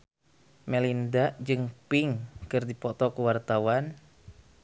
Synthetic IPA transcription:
mɛlindaʔd͡ʒɨŋpiŋkɨrdipɔt̪ɔkuwart̪awan

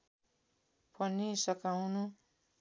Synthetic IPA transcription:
pʰʌnisʌkawnu

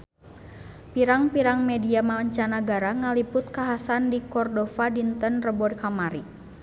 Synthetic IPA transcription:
piɾaŋpiɾaŋmɛdiamaəɲt͡ʃanaɡaɾaŋalipʊt̪̚kaɦasandikɔrdɔfadint̪ənrəbɔdkamaɾi

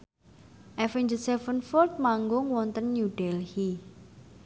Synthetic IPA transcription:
ʔɛfɛnd͡ʒəsɛfənfɔrt̪̚maŋɡʊŋwɔnt̪ənːuɖ̥ɛlhi

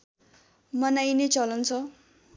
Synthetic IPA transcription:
mʌnajnet͡sʌlʌnt͡sʰʌ

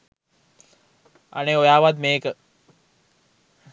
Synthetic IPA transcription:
a̰neojaːʋad̪meːkə

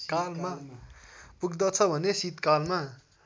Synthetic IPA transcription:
kalma | puɡd̪ʌt͡sʰʌbʱʌnesit̪kalma

